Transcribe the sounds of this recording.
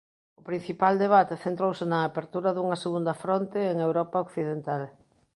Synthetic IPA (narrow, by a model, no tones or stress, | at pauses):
ʊpɾin̟θipald̪eβ̞at̪eθent̪ɾowsɪnɐːpeɾt̪uɾɐðuŋɐseɣund̪ɐfɾont̪ɪːŋewɾɔpɐokθiðent̪al